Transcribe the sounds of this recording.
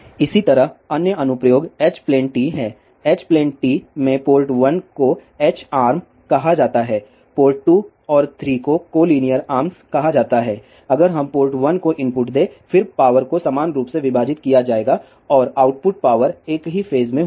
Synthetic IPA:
ɪsit̪ɐɾəɦɐnjəɐnʊpɾəjoːɡɛːt͡ʃplɛ̃ːɳʈʈiːɦɛ̃ː | ɛːt͡ʃplẽːɳʈʈiːmẽpoːlʈʋɐnko | ɛːt͡ʃaːɾm | kɐɦad͡ʒaːt̪aɦɛː | poːlʈʈu | ɔːɾt̪ʰɾiːkokoːliːnijəɾaːɾmskɐɦad͡ʒaːt̪aɦɛː | ɐɡəɾɦɐ̃mpoːlʈʋɐnkoʔɪ̃mpʊʈd̪eːfɪɾpaːʋəɾkosamaːnɾuːpseʋɪbaːd͡ʒɪt̪kijad͡ʒaːeːɡa | ɔːɾaːʊʈpʊʈ̚paːʋəɾeːkɦifeːzmẽ

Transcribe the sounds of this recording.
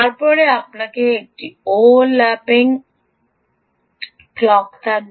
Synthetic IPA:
taɾpɔɾeapnakeːk̚ʈiolːapiŋ | klɔkt̪a

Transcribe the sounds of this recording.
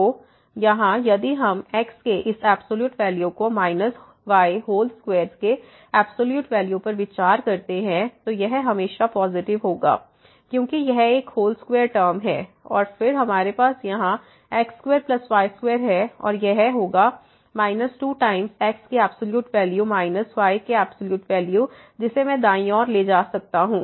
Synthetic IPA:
o | jɐɦãjɐd̪iɦɐmɛːkskeʔɪsɛːbsoːljuːʈʋɛːljũkomaːɪnəs | ʋaːjɦoːlskʋeːɾzke | ɛːbsoːljuːʈʋɛːljũpɐɾʋɪt͡ʃaːɾkɐɾt̪eɦɛ̃t̪ojɛɦɦɐmeːʃapɔːzɪʈɪʋɦoːɡa̰ː | kjõːkijɛɦeːkɦoːlskʋeːɾʈəːɾmɦɛːɔ̰ːɾfɪɾɦɐmaːɾepaːsjɐɦã | ɛːkskweːɾplɐsʋaːɪskweːɾɦɛɔ̰ːɾjɛɦɦoːɡa | maːɪnəsʈuːʈaːɪ̃mzɛːkskeɛːbsoljuːʈʋɛːljumaːɪnəsʋaːɪkeɛːb̥soljuːʈʋɛːlju | d͡ʒɪsemɛ̃d̪aːĩɔːɾled͡ʒaːsɐk̚t̪aɦũː

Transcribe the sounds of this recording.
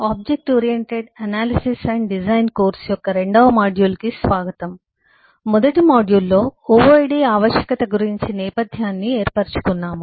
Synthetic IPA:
aːb̚d͡ʒek̚ʈoːɾijeɳʈeɖɐnaːlisisɐɳɖɖid͡ʒɐjnkoːɾsjɔkːɐɾeɳɖɐːmaːɖjuːlkisʋaːɡɐt̪ɐm | mɔd̪ɐʈimaːɖjulːo̞ːoːʋɐjɖiːaːʋɐʃjɐ̥kɐt̪ɐɡuɾiɲt͡ʃinɛːpɐd̪ʱjaːnːieːɾpɐɾt͡ʃu̥kunːaːmu

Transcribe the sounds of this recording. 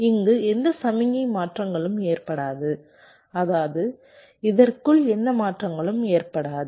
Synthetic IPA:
ɪŋɡɯɛnd̪ɐsɐmɪŋɐmaːʈrɐŋɡɐɭɯmeːrpɐɽaːðɯ | ɐðaːðɯ | ɪðɐrkɯɭɛnd̪ɐmaːʈrɐŋɡɐɭɯmeːrpɐɽaːðɯ

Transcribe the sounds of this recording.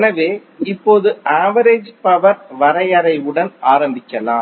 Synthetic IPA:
ɛnɐʋeːɪpːoːðɯʔaːʋɐɾeːd͡ʒpɐʋɐɾʋɐɾɐjɐɾɐɪɯɽɐnaːɾɐmbɪkːɐlaːm

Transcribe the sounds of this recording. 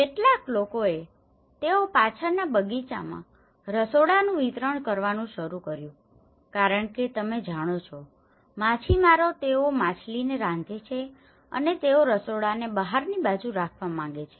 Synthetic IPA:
keʈlaklokoe | t̪eopat͡ʃʰəɾnabəɡit͡ʃa̰mã̰ | ɾəsoɽanũʋit̪ɾəɳ̃kəɾʋanũʃəɾukəɾjũ | kaɾəɳket̪əmed͡ʒʱaɽ̃ot͡ʃʰɔ | mat͡ʃʰimaɾot̪eomat͡ʃʰlineɾãnd͡ʒet͡ʃʰe | ə̰net̪eoɾəsoɽanebəɦaɾnibad͡ʒũɾakʰʋamãŋɡet͡ʃʰe̥

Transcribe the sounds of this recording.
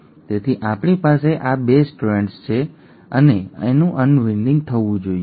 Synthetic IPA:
t̪et̪ʰiʔapɽipaseʔabesʈuɾeɳʈst͡ʃʰe | əneenũʔənʋɪnɖɪ̃ŋɡt̪ʰəʋũd͡ʒoie

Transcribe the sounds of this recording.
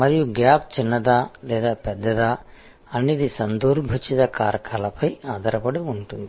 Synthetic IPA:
mɐɾijuɡjaːp̚t͡ʃinːɐd̪aːlɛːd̪aːpɛd̪ːɐd̪aː | ɐnːiːd̪isɐnd̪uːɾbʱut͡ʃit̪ɐkaːɾɐkʰaːlɐpɐjaːd̪ʱɐɾɐpɐɽuuɳʈund̪i

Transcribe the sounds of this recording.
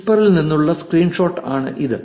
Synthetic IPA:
pɐrilninːuɭːɐskriːɳʂo̞ːʈːaːɳɨ̰ʔiðɨ

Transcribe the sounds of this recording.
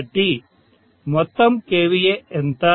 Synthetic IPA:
ʈi | mɔt̪ːɐmkeːʋijeent̪a

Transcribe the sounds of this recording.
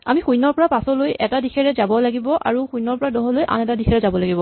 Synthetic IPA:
a̰mixujnɔɹpɔɹapasɔlojʔɛtadixʰɛɹɛzabɔlaɡibɔʔa̰ɹuxujnɔɹpɔɹadɔɦɔlojʔa̰nɛtadikʰɛɹɛzabɔlaɡibɔ

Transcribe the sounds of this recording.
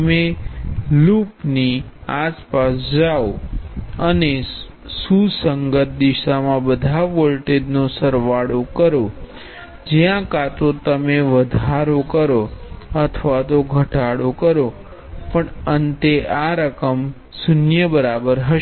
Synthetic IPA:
me | lupniaspasd͡ʒao | əne | susəŋɡət̪̚d̪ɪʃamãbəd̪ʱaʋolʈeɖnosəɾʋaɽokəɾo | d͡ʒijãkat̪ot̪əmeʋəd̪ʱaɾokəɾoət̪ʰəʋat̪oɡʱəʈaɽokəɾo | pəɳənt̪eʔaɾəkəm | sʊnjəbəɾabəɾɦəʃ

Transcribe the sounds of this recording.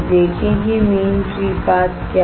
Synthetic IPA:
d̪eːkʰẽkimeːnfɾiːpaːt̪kja

